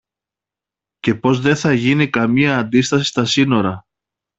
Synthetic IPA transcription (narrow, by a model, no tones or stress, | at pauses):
ce̞po̞zðe̞θɐʝinikɐmiɐːnd̪ist̪ɐsi̥st̪ɐsino̞ɾɐ